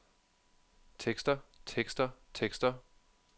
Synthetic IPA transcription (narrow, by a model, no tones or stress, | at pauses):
t͡sʰeɡ̥sd̥ɐt͡sʰeɡ̥sd̥ɐt͡sʰeɡ̥sd̥ɐ